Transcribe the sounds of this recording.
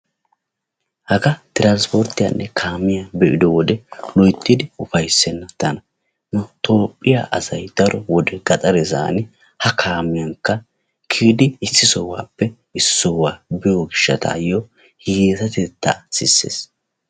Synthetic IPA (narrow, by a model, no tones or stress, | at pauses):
hɐɡɐt̪ɪɾaːnspɔɾt̪ːɪja̰nːɛkʰaːmːɪjabɛʔɪd̪ɔwɔd̪ɛlɔjt̪ːɪd̪ɪʊfɐjsːɛnːɐt̪ːɐnɐ | nɐt̪oːpʼːɪja̰ʔɐzɐjd̪̥ɐɾɔwɔd̪ɛɡ̥ɐtʼɐɾɛza̰ːnɪ | hɐkʰaːmːɪjɐŋkːɐ | kʰiːd̪ɪɪsːɪsɔwa̰ːpːɛ | ɪssːɔwaːbɪjoɡɪʃːɐ̰t̪ʰa̰jo | hjeːt̪ɐt̪ɛt̪ːaːsɪsːḛːs